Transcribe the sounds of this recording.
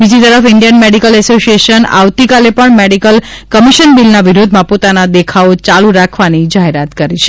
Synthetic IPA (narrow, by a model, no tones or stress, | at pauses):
bid͡ʒit̪əɾəfɪɳɖijənmeɽikəlɛsosieʃəna̰ʋt̪ikalepəɳmeɽikəlkəmiʃənbilnaʋiɾod̪ʱmãpot̪anad̪ekʰaot͡ʃalũɾakʰʋanid͡ʒaɦeɾat̪kəɾit͡ʃʰe̥